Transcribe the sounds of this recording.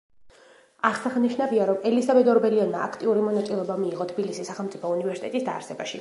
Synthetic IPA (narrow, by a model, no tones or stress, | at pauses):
aχsaχniʃnaviaɾɔmɛlizabɛd̪ɔɾbɛɾiɔnmaakʰt̪ʼiuɾimɔnat̪sʼilˠɔbamiːʁɔt̪ʰbilisisːaχɛlˠmt̪sʼipʰɔunivɛɾsit̪ʼɛ̰t̪ʼisd̪a̰ːɾsɛbaʃi